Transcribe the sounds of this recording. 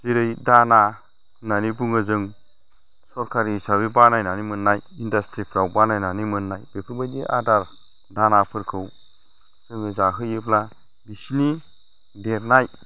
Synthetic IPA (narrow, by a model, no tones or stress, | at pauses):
ziɾɯjdana | nanibuŋɯzɯŋ | sɔɾkʰaɾisabibanajnanimɯnːajindastɾipʰɾawbanajnanimɯnːajb̥epʰɯɾbadiʔa̰daɾ | danapʰɯɾkʰɯw | zɯŋɯzaɦɯjɯpʰla | bisini | deɾnaj